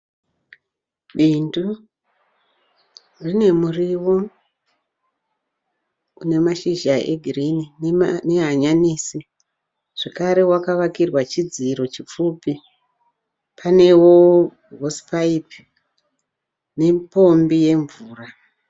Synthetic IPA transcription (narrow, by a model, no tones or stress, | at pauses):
ɓindu | rine̞muriwo̞ | une̞maʃiʒaʔḛɡʱirinineɦaɲaniːsi | ʐ̥ekaɾe̞wakaʋakirwat͡ʃid͡ziɾo̞t͡ʃip͡fuːpi | pʰane̞wo | ɦospaip | ne̞po̞mbije̞ɱvuːra